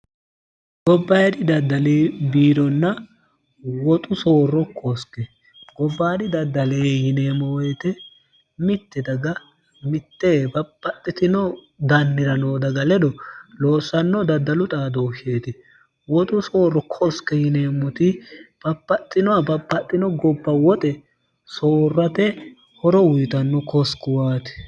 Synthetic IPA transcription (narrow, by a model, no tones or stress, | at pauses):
ɡ̥ɔbːɐjd̪ɪd̪ɐd̪ːɐleːbiːɾɔnːɐ | wɔt̪ʼʊso̞ːrɔkʰɔskːɛ | ɡ̥ɔbːaːd̪ɪd̪ɐd̪ːɐleːhɪneːmːɔwɔjt̪ɛ | mɪt̪ːɪd̪ɐɡɐ | mɪt̪ːebɐpʼːɐt̪ʼːɪt̪ɪnɔ | d̪ɐnːɪɾɐnoːd̪ɐɡɐlɛd̪ɔloːsːɐnːɔd̪ɐd̪ːɐlʊt̪ʼaːd̪oːʃeːt̪ɪ | wɔt̪ʼʊso̞ːrːɔkʰɔskːɛhɪneːmːʊt̪ɪb̥ɐpʼːɐt̪ʼːɪnɔwɐbɐpʼːɐt̪ʼːɪnɔɡɔbːɐwɔt̪ʼɛ | soːrːɐt̪ɛ | hɔɾɔwʊjt̪ɐnːɔkʰɔskːɪwaːt̪ɪ̥